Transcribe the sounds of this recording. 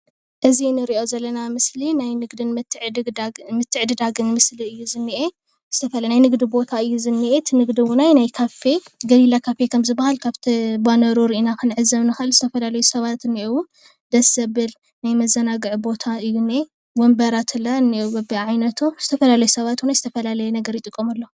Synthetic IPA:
ʔɨzinɨɾiʔo̞zɐlːɐnamɨslinajnɨɡd̪ɨn | mɨt̪ʰːɨʕɨd̪ɨd̪aɡɨnmɨsliɨjːuzɨnːiʔe | z̥ɨt̪ʰɐfɐlnajnɨɡd̪ibo̞t̪ʰaɨjːuzɨnːiʔet̪ʰɨnɨɡd̪iwunajnajkʰafe̞ɡɐlilakʰafe̞kʰɐmzɨbːahalkʰaβt̪ʰibanɐɾuɾiʔinakʰɨnʕɨzːɐβnɨxɨɨlzɨt̪ʰɐfɐlalɐjusɐβat̪ɨnːiʔewu | d̪̥ɐsɐbɨl | najmɐzːɐnaɡɨʕbo̞t̪ʰaɨjːune | wɐmbɐɾat̪ʰɨlːaɨnːiwbɐbiʕajnɐt̪ʰoz̥ɨt̪ʰɐfɐlalɐjusɐβat̪najzɨ̥t̪ʰɐfɐlalɐjɛnɐɡɐɾjɪt̪ʼɨkʼːɐmɐlːo

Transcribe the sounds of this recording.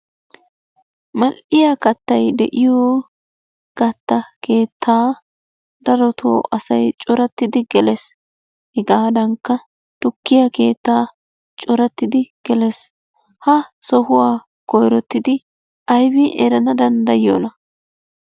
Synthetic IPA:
mɐlʔɪjaːkɐt̪ːɐjd̪ɛ̰ʔɪjoː | kɐt̪ːɐke̞ːt̪ʰːaː | d̪ɐɾɔt̪ʰo̰ːʔɐsɐjt͡ʃʼɔɾɐt̪ːɪd̪ɪɡɛlɛs | hɪɡaːd̪ɐŋkːɐ | t̪ʊkːɪjɐke̞ːt̪ːaː | t͡ʃʼɔɾɐt̪ːɪd̪ɪɡ̥ɛlɛs | hɐsɔhʊwaː | kɔjɾɔt̪ːɪd̪ɪ | ʔɐjbɪʔɛ̰ɾɐnɐd̪ɐnd̪ɐjo̰ːnɐ

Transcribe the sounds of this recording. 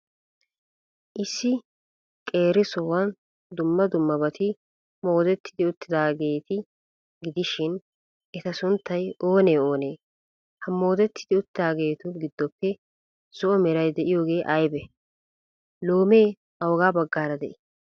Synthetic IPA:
ʔɪsːɪ | kʼe̞ːɾɪsɔwɐn | d̪ʊmːɐd̪ʊmːɐbɐt̪ʰɪ | mo̞ːd̪ɛt̪ːɪd̪ɪʊt̪ːɪd̪aːɡe̞ːt̪ɪ | ɡɪd̪ɪʃɪn | ʔɛt̪ɐsʊnt̪ːɐjo̞ːneːo̞ːneː | hɐmːo̞ːd̪ɛt̪ːɪd̪ɪʊt̪ːɪd̪aːɡe̞ːt̪ʊɡɪd̪ːɔpːɛ | sɔʔɔmɛɾɐjd̪ɛʔɪjo̞ːɡe̞ːʔɐjbɛ | lo̞ːme̞ː | ɐwɔɡaːbɐɡːaːɾɐd̪ɛʔɪ

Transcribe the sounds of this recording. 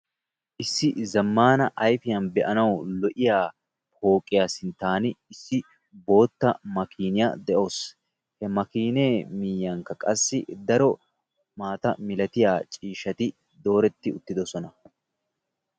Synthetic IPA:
ʔɪsːɪzɐmːaːnɐʔɐjfɪjɐnbɛʔɐnɐwlɔʔɪjaː | ho̞ːkʼːɪjaːsɪnt̪ːaːnɪɪsːɪ | bo̞ːt̪ːɐmɐkiːnɪjad̪ɛʔo̞ːs | hɛmɐkiːne̞ːmɪjːaŋkːɐkʼɐsːɪd̪ɐɾɔ | maːt̪ɐmɪlɐt̪ɪjaːt͡ʃʼiːʃɐt̪ɪ | d̪o̞ːɾɛt̪ːɪʊt̪ːɪd̪ɔsɔnɐ

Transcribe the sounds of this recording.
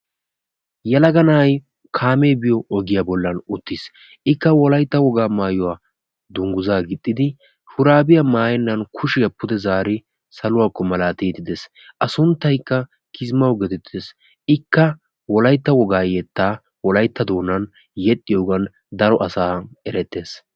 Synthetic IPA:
jɛlɐɡɐnɐj | kʰaːmeːbɪjɔɔɡɪjabɔlːɐnʊt̪ːis | ʔɪkːɐwɔlɐjt̪ːɐwɔɡaːmaːjɔwaː | d̪ʊŋɡʊzaːɡɪt̪ʼːɪd̪ɪ | hʊɾaːbɪjɐmaːjɛnːɐnkʰʊʃɪjɐpʊd̪ɛzaːɾɪ | sɐlʊwaːkːɔmɐlaːt̪ijt̪ɪd̪ɛs | ʔɐsʊnt̪ːɐjkːɐ | kʰɪzmɐwɡɛd̪ɛt̪ːes | ɪkːɐ | wɔlɐjt̪ːɐwɔɡaːjɛt̪ːaː | wɔlɐjt̪ːɐd̪o̞ːnːɐn | jɛt̪ʼːɪjoːɡɐn | d̪ɐɾɔʔɐsaːɛɾɛt̪ːe̞ːs

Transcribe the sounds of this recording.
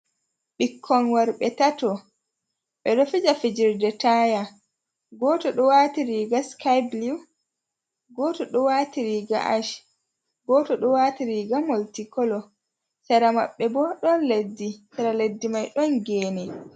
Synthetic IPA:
ɓikʰːɔnwaɾɓɛtatɔ | ɓɛɗɔfid͡ʒafid͡ʒiɾdɛtaja | ɡɔːtɔɗɔwaːtiɾiɡaskajbliw | ɡɔːtɔɗɔwatiɾiɡa̰ʔaʃ | ɡɔtɔɗɔwaːtiɾiɡamoltikɔlɔ | saɾama̰ɓːɛbɔɗɔnledːisaɾaledːimajɗɔnɡɛːnɛ

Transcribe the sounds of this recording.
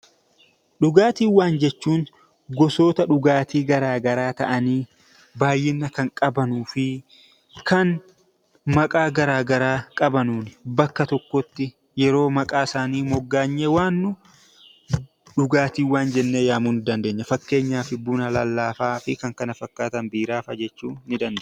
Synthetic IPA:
ɗʊɡaːt̪iːwːaːnd͡ʒɛt͡ʃːuːn | ɡɔso̞ːt̪ɐᶑʊɡaːt̪iːɡɐɾaːɡɐɾaːt̪ɐʔɐniː | baːjːɪnːɐkɐŋkʼɐbɐnuːfɪ | kʰɐn | mɐkʼaːɡɐɾaːɡɐɾaːkʼɐbɐnuːnɪbɐkːɐt̪ɔkːɔt̪ːɪ | jɛɾo̞ːmɐkʼaːɪsaːniːmɔɡːaːɲːewaːnːʊ | ᶑʊɡaːt̪iːwaːnd͡ʒɛnːeːjaːmuːnɪd̪ɐnd̪e̞ːɲːɐfɐkːe̞ːɲːaːfɪbuːnɐlɐlːaːfaːfɪkɐŋkɐnɐfɐkːaːt̪ɐnbiːɾaːfɐd͡ʒɛt͡ʃːuːɪd̪ɐnd̪eː

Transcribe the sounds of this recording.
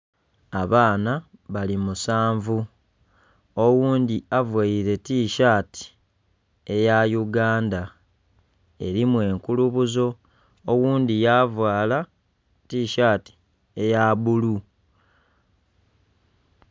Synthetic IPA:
aβaːnaβalimusaːɱvu | owuːndiavwaiɾe̞tiːʃaːti̥ | e̞jajuɡaːnda | e̞̰ɾimwe̞ːŋkuluβuzo̞ | owuːndijavwaːla | tiːʃaːti̥ | e̞jaβulu

